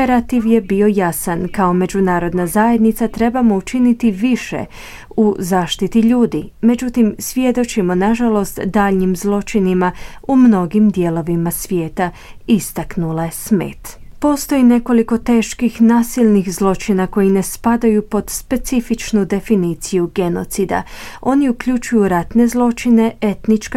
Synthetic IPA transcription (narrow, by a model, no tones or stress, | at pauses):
eɾat̪iʋje̞bio̞jasankao̞me̞d͡ʒunaːɾo̞d̪nazajed̪nit̪sat̪ɾe̞bamo̞ut͡ʃinit̪iʋiʃḛ | uzaːʃt̪it̪iʎuːd̪ime̞d͡ʒut̪imsʋje̞d̪o̞t͡ʃimo̞naʒalo̞st̪d̪aːʎɲimzlˠo̞t͡ʃinimaumno̞ɡimd̪je̞lˠo̞ʋimasʋje̞ːt̪a | ist̪aknulˠaesmḛːt̪po̞ːst̪o̞jine̞ko̞liko̞t̪e̞ːʃkixnaːsiʎnixzlˠo̞t͡ʃinako̞jine̞spad̪ajupo̞d̪spe̞t̪sifit͡ʃnud̪e̞finiːt̪sijuɡe̞no̞̰t̪sid̪a̰o̞niukʎut͡ʃujuɾat̪ne̞zlˠo̞t͡ʃine̞e̞t̪nit͡ʃk